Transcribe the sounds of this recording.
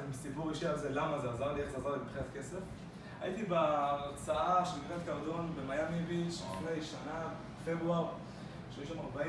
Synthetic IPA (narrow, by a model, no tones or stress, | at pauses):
misipuʁeʃialzelamazeazaʁlieazaʁlimipχiat̪kese̞f | a̰jit̪ibeːʁt͡saaʃelikʁet̪kaʁd̪onbemajamiviʃiχnejʃana | febʁuaʁ | ʃeiʃamaʁbai